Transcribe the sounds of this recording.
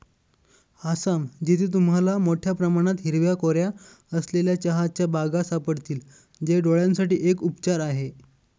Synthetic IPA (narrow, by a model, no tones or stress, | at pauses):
asamd͡ʑit̪ʰiːt̪̬umɦalamoʈʰjapɾəmaɽ̃at̪ɦiɾʋjakoɾja | əsleljat͡ɕəɦat͡ɕjabaɡasapəɽt̪iːl | d͡ʑeɖoɭjãnsaʈiːʔekupt͡ɕaɾaɦe